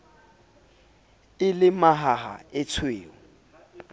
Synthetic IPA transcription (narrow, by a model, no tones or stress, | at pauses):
ɪlɪmaɦaɦa̰ɪt͡sʰweːʊ